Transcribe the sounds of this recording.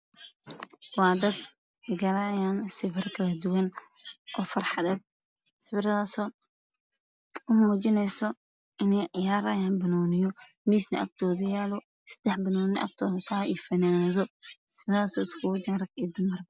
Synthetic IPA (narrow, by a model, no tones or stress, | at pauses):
wɑːd̪ɐd̪ | ɡɐlajaːnsɪβɪrkʰɐlɐd̪ʊwɐnʔɔːfɐrħɑðɛːd̪̚ | sɪfɪrɐðaːsɔː | ʊmuːt͡ʃɪnɛjsɔ | ɪnɛjʕɪjaːɾɐjaːnbɐnɔːnɪjɔmiːsnɐʔɐ̰b̚t̪ʰɔːðɐjaːlɔ | sɐ̥d̪̥ɛħbɐnɔːnɪʔɐ̰b̚t̪ʰɔːðt̪ʰaːiːfɐnaːnɐðɔsɪfraːsɔːɪskʰʊʊd͡ʒɐɾɐɡid̪ʊmɐrbɐ